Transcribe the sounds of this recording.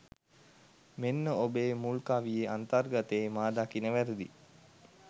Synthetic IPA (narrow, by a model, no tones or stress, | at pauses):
menːəobeːmulkaʋijeant̪arɡat̪eːmaːd̪akinəʋæɾed̪i